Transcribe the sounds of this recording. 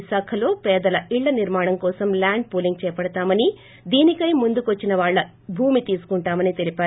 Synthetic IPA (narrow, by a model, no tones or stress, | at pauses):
saːkʰɐlo̞ːpɛːd̪ɐlɐʔiɭːɐniɾmaːɳɐmkɔːsɐmlaːɳɖ̚puːliŋɡ̚t͡ʃɛːjɐpɐɽɐt̪aːmɐni | d̪iːnikɐjmund̪ukʋɐt͡ʃːinɐʋaːɭːɐ | bʱuːmit̪iːsu̥kuɳʈaːmɐnit̪e̞lipaːu